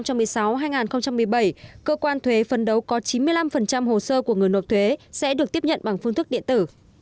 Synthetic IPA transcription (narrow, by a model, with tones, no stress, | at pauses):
wt͡ɕa˧mːɨ˨˩əjsa˨˦wɦaː˧jŋaː˨˩nxə˧wŋ͡mt͡ɕa˧mːɨ˨˩əjɓə˧˩jkəː˧kwaː˧nt̪ʰwe˨˦fə˨˩nɗə˨˦wkɔ˨˦t͡ɕi˨˦nmɨ˧əjla˧mfə˨˩nt͡ɕa˧mho˨˩səː˧ku˧˩əŋ˨˩əjno˨˩t̚t̪ʰwe˨˦sɛ̰˧˥ɗɨ˨˩ək̚t̪i˦˥əp̚ɲə̰˧˨nɓa˨˩ŋfɨ˧ŋt̪ʰk̚ɗḭ˧˨ənt̪ɨ˧˩